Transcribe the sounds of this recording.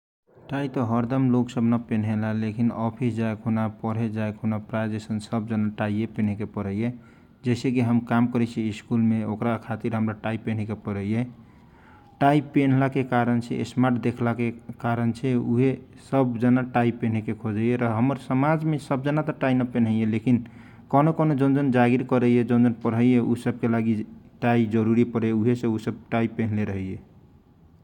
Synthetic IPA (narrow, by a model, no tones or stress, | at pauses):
ʈait̪ɔɦəɾd̪əmloksəbnəpen̤ɦelalekinɔpʰisd͡ʒaekunapəɽ̤ed͡ʒaekʰunapɾad͡ʒesənsəb̚d͡ʒənaʈaiepen̤ekepəɾəje | d͡ʒɛɪsekiɦəmkamkəɾɛt͡ʃʰiiskulmeokɾakʰat̪iɾɦəmɾaʈaipːen̤ikepəɾəje | ʈaipːen̤lakekaɾənt͡ʃʰɛ̰ḛsmaɾʈd̪ekʰlakekaɾənt͡ʃʰɛuɦe | səbd͡ʒənaʈaipen̤ɛkekʰod͡ʒəjeɾɔɦəməɾsəmad͡ʒmesəb̚d͡ʒənat̪ɔʈainəpen̤ɦəjelekin | kənokonod͡ʒənd͡ʒənd͡ʒaɡiɾkəɾəjed͡ʒənd͡ʒənpəɾɦəjeusəb̚kelaɡiʈaid͡ʒəɾuɾipəɽɛuɦesẽusəb̚ʈaipen̤leɾəɦəje